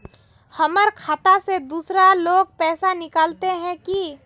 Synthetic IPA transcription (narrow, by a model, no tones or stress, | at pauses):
həməɾkʰaːt̪ased̪uːsɾaloːɡ̚pɛːsanɪkaːlt̪eɦɛ̃ki